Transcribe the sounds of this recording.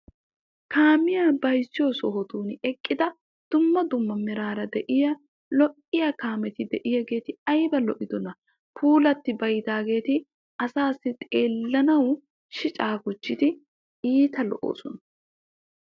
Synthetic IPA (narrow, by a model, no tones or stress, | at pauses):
kaːmɪjaːbɐjsːɪjoːsɔɦɔt̪uːnɛkʼːɪd̪ɐ | d̪̥ʊmːɐd̪ʊmːɐmɛɾaːɾɐd̪ɛʔɪjɐ | lɔʔɪjɐkaːmɛt̪ɪd̪ɛʔɪjɐɡe̞ːt̪ɪɐjbɐlɔʔɪd̪ɔnɐ | pʰuːlɐt̪ːɪbɐjd̪aːɡe̞ːt̪ɪ | ɐsaːsːɪt̪ʼe̞ːlːɐnɐw | ʃɪt͡ʃʼaːɡʊt͡ʃːɪt̪ɪ | iːt̪ɐlɔ̰ʔo̰ːsɔnɐ